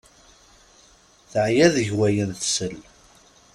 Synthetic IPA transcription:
θʕjæðʝwæjənθsəl

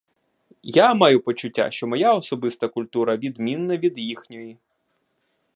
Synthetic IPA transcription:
jamɑjʊpɔt͡ʃʊtʲːa̰ʃt͡ʃɔmɔjaɔsɔbɪst̪ɐkʊlʲt̪uɾɐʋʲid̪mʲinːɐʋʲid̪jixnʲɔji

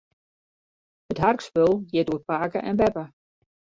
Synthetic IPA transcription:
ətɦarkspølˠjɪduət̚paːkəʔɛnbɛpə

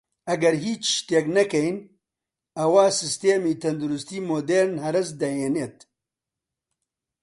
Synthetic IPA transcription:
ɐɡɐɾɦiːt͡ʃʃt̪eːknɐkɛjn | ɐwaːsɨst̪eːmiːt̪ʰɐnd̪uɾʊst̪iːmoːd̪eːɾnhɐɾɨzd̪ɐjeːneːt̪

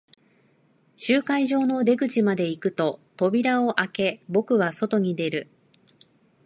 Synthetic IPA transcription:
ɕɨːkaiʑo̞ːno̞d̪e̞ɡɯ̟t͡ɕimad̪e̞ikɯ̟t̪o̞t̪o̞bʲiɾao̞ʔake̞bo̞kɯ̟β̞aso̞t̪o̞ɲ̟id̪e̞ɾɯ̟

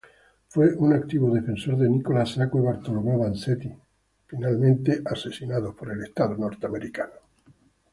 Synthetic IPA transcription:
fweʔunak̚t̪iβoðe̞fe̞nso̞ɾðenikolasakweβaɾt̪olomoβanset̪i | finalmẽnt̪eʔase̞sinaðopoɾelest̪aðonoɾt̪eameɾikano

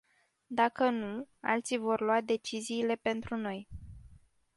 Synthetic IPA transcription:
d̪akənua̰lt̪sijvo̞rlwad̪e̞t͡ʃiziːle̞pe̞nt̪ɾuno̞j

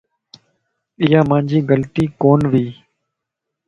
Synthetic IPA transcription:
ɪjaːmãːɲd͡ʒiːɡəlt̪iːkoːnʋiː

